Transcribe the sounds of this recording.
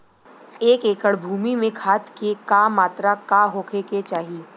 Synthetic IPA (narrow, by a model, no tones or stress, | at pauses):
eːkeːkəɽbʱuːmimẽkʰaːt̪kekaːmaːt̪ɾakaɦoːkʰeket͡ʃaːɦiː